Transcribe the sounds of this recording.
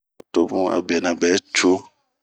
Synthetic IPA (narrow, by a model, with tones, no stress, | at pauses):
to˨˦bũ˦a̰˨bɛ˨nã˨bɛ˨˦t͡ʃo˦